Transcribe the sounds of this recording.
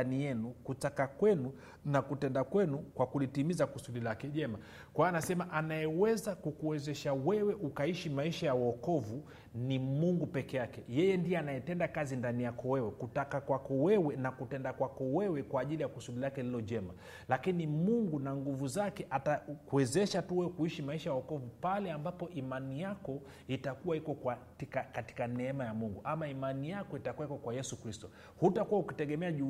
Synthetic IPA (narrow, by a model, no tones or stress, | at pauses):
anijɛnukutakakwɛnu | nakutɛndakwɛnukwakulitimizakusuɗilakɛʄɛma | kwaaːnasɛmaʔanajɛwɛzakukuwɛzɛʃawɛwɛʔukaiʃimaiʃajawɔkɔvu | nimuŋɡupɛkɛakɛjɛjɛndiɛanajɛtɛndakazindanijakɔwɛwɛkutakakwakɔwɛwɛnakutɛndakwakɔwɛwɛkwaːʄilijakusuɗilakɛlilɔʄɛma | lakinimuŋɡunaŋɡuvuzakɛʔatakuɛzɛʃatuwɛwɛkuiʃimaiʃajaɔkɔvupalɛambapɔʔimanijakɔ | itakuwaikɔkwatikakati̥kanɛɛmajamuŋɡuʔamaimanijakɔitakuwaikɔkwajɛsukɾistɔ | hutakuwaukitɛɠɛmɛaʄu